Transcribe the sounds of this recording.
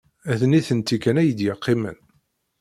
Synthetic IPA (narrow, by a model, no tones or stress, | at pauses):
æðniθənt̪ːikːænæjəd̪jəqʰːɪmə̰n